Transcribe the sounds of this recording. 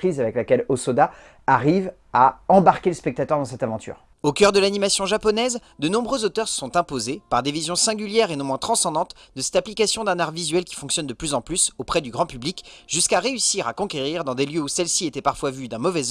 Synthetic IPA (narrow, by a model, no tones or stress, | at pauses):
χizavɛklakʲɛlosɔd̪a | aʁiv | aɑ̃baʁkʲeləspɛk̚t̪at̪œʁd̪ɑ̃sɛt̪avɑ̃t̪ʰy̰ːʁ | okʲœʁd̪əlanimasjɔ̃ʒapɔnɛz | d̪ənɔ̃bʁøzot̪œʁsɔ̃t̪ɛ̃pozepaʁd̪evizjɔ̃sɛ̃ɡʲyljɛʁenɔ̃mw̃ɛ̃t̪χɑ̃sɑ̃d̪ɑ̃t̪d̪əsɛ̥t̪aplikasjɔ̃d̪ɛ̃naʁvizɥɛlkʲi̥fɔ̃ŋksjɔnd̪əplyzɑ̃plysopχɛd̪yɡʁɑ̃pyblikʒ̥yskaʁeysiʁakɔ̃kʲeʁiʁd̪ɑ̃d̪eljøusɛlsiet̪ɛpaʁfwavyd̪ɛ̃mɔvɛz